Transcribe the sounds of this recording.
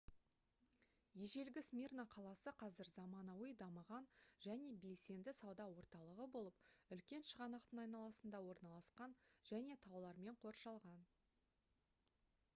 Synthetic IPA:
jeʒe̞lɡʲɪsmʲirnaqʰɑlˠɑsəqʰɑzɪɾzɑmɑnɑwəjd̪ɑməʁɑnʒ̥æne̞be̞lse̞nd̪ɪsɑwd̪ɑwo̞ɾt̪ɑlˠəʁəbo̞lˠəp̚ʏlkʲe̞nʃəʁɑnɑqt̪əɴɑjnɑlˠɑsənd̪ɑwo̞ɾnɑlˠɑsqɑnʒ̥æne̞t̪ʰɑwlˠɑɾme̞ɴqʰo̞ɾʃɑlˠʁɑn

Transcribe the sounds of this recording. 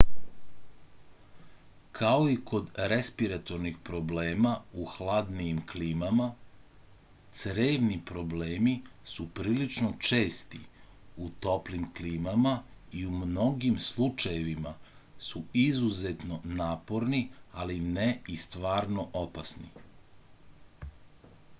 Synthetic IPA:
kʰao̞iko̞d̪ɾespiɾat̪o̞ɾnixpɾo̞bleːmauxlˠad̪nijimkliːmama | t̪sɾeːʋnipɾo̞bleːmisupɾiːlit͡ʃno̞t͡ʃe̞ːst̪i | ut̪o̞plimkliːmama | iumno̞ɡimslˠut͡ʃajeʋimasuizuze̞t̪no̞naːpo̞ɾnialineist̪ʋaːɾno̞ʔopasnḭ

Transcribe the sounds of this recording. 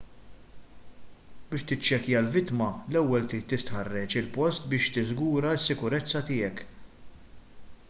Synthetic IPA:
bɪːʃt̪ɪt͡ʃːɛkjɐlvɪt̪mɐlɛwːɛlt̪ɾiːt̪ːɪst̪ħɐrːɛt͡ʃɪlpɔst̪bɪːʃt̪ɪzɡuːɾɐɪsːɪkʊɾɛt͡sːɐt̪ɪːɛk

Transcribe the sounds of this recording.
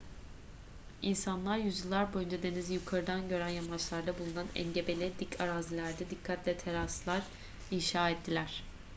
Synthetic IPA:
insanlˠaɾjyzjilˠːaɾbojynd͡ʒad̪e̞nizjukʰaɾɯd̪anɟø̞ɾænjamat͡ʃlˠaɾd̪abulˠunanɛ̰nɟe̞be̞lʲɛd̪icʰaɾazilʲæɾd̪ɛd̪ikʰːat̪lʲɛt̪ʰeɾaslˠaɾ | inʃaːɛt̪ʰːilʲæɾ̝̥

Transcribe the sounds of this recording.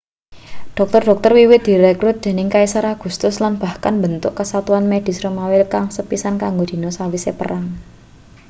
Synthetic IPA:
ɖ̥ɔk̚t̪ɔrɖ̥ɔ̤k̚t̪ərwiwɪt̪̚d̪̥i̤ɾɛkɾut̪̚d̪̥e̤nɪŋkaisaɾaɡ̥ṳst̪ʊslanb̥a̤hkanbənt̪ʊʔkəsat̪uanmed̥i̤sɾomawɪlkaŋsəpisankaŋɡod̪̥i̤nosawisepə̰ɾaŋ

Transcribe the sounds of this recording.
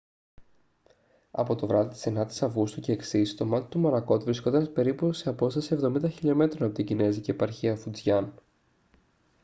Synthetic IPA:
ɐ̰po̞t̪o̞vɾɐðit̪i̥senɐt̪i̥sɐvɣust̪uce̞ːksist̪o̞mɐt̪i̥t̪umo̞nɐko̞t̪uvɾiskond̪ɐnspe̞ɾipuseɐpo̞st̪ɐsie̞vðo̞mind̪ɐçiʎo̞me̞t̪ɾo̞nɐpo̞t̪iɟine̞ziceːpɐɾçiɐfud͡zʝɐn

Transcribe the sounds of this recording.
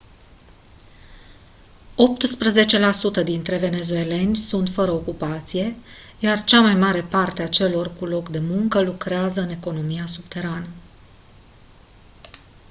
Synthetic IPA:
o̞p̚t̪spɾəze̞t͡ʃe̞lasut̪əd̪int̪ɾe̞ve̞ne̞zue̞le̞nʲsunt̪fəɾəokupat̪sije̞ | jart͡ʃamajmaɾe̞part̪eat͡ʃe̞lo̞rkulo̞kd̪e̞muŋkəlukɾeazəɨne̞ko̞no̞mijasubt̪e̞ɾanə

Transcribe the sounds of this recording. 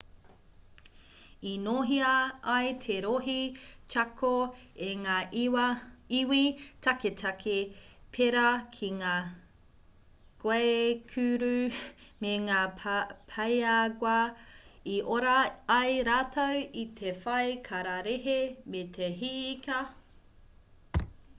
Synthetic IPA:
inoɦiɐɐjtʰeɾoɦit͡ʃakʰoeŋaː | iwitʰaketʰɐkʰepʰeɾɐkʰiŋaː | ɡ̥wekʰʉɾʉmeŋaːpʰɐjaɡwɐ | iʔoɾɐɐjɾaːtʰowitʰefɐjkʰɐɾaɾeɦemet̪ʰeɦikɐ

